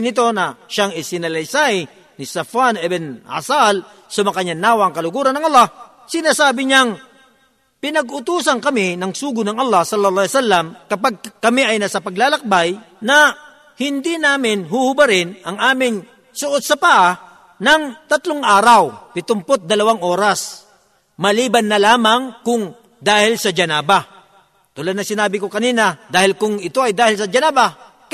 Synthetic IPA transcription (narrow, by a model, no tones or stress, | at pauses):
nɪt̪̬o̞nɐʃaŋɪsɪnɐlɐjsaj | nɪsɐfanɛbɛnha̰sal | sɐmɐkɐɲɐnaːwaŋkɐlʊɡuːɾɐnːɐŋʔɐlːɑh | sɪnaːsaːbɪɲaŋ | pɪnɐɡʊt̪uːsɐnkɐmɪnɐŋsuːɡʊnɐŋʔɐlːɑhsɐlːɐlˠˤɑsalːɐmkɐpaɡ̚kɐmiʔɐjnaːsapɐɡlaːlɐk̚baj | nɐ | hɪnd̪ɪnaːmɪnɦʊhʊbaɾɪnɐŋʔaːmɪŋ | sʊʔod̪̚sɐpaʔa | nɐŋt̪ɐt̪lʊŋʔaːɾawpɪt̪ʊmpot̪̚d̪ɐlɐwaŋʔo̞ːɾas | mɐliːbɐnːɐlaːmaŋkʊŋ | d̪aːhɪlsɐd͡ʒɐnaːba | t̪ʊlɐd̪nɐŋsɪnaːbɪkokɐniːnɐd̪aːhɪlkʊŋɪt̪o̞ɐjd̪aːhɪlsɐd͡ʒɛnaːba